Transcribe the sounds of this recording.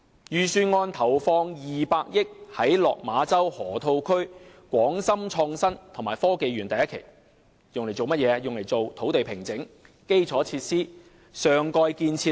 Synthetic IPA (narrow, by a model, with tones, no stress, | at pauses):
jyː˨˩syː˧nŋɔː˧nt̪ʰɐ˨˩wfɔː˧ŋjiː˨paː˧k̚jɪ˥k̚hɐ˨˥jlɔ̰ː˨k̚maː˨˧t͡sɐ˥whɔː˨˩t̪ʰo˧wkʰɵ˥ɥkʷɔː˨˥ŋsɐ˥mt͡ʃʰɔː˧ŋsɐ˥nt̪ʰʊ˨˩ŋmaː˨˩fɔː˥ke˨jɥyː˨˩nt̪ɐ˨jɐ˥tkʰḛ˨˩j | jʊ˨ŋle˨˩jt͡so˨wmɐ˥t̚jɛː˨˧jʊ˨ŋle˨˩jt͡so˨wt̪ʰo˨˥wt̪e˨jpʰɪ˨˩ŋt͡sɪ˨˥ŋ | ke˥jt͡sʰɔː˨˥t͡sʰiː˧t̚siː˥ | sœː˨˩ŋkɔː˧jkiː˧nt͡sʰi˧